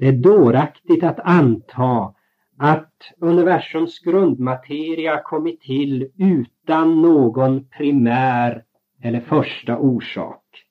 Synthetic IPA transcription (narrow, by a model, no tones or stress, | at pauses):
d̪̥ɛæɖoːɾakt̪ɪɡt̪at̪ant̪ʰɑː | at̪ɵnɪvæʂɵmsɡɾɵnd̪mat̪ʰeːɾɪakʰɔmːɪt̪ʰːɪlʉ̟ːt̪anːoːɡɔnpʰɾɪmæːɾ | ɛlːəɾfœʂʈaʔuːʂɑ̰ːk